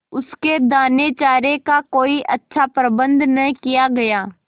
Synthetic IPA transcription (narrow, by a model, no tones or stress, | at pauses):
ʊsked̪aːneːt͡ʃaːɾekakoːiʔɐtːʃʰapɾəbə̃nd̪nɐɦĩkijaɡɐjaː